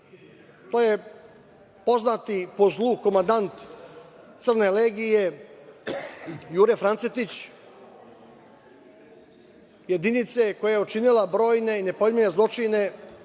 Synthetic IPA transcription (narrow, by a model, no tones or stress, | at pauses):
t̪oje̞ | po̞znat̪ipo̞zlˠuko̞mand̪ant̪ | t̪sɨr̩ne̞leːɡije̞ | juːɾefɾanset̪it͡ɕ | je̞d̪init̪se̞ko̞jajeot͡ʂinilabɾo̞ːjne̞ine̞po̞lmiɲezlˠo̞t͡ʂine̞